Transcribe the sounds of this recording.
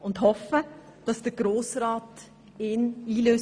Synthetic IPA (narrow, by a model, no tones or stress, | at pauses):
ʊndhɔfə | d̥ɑsd̥əɡ̥ɾoːsɾɑːt | ɪniːløː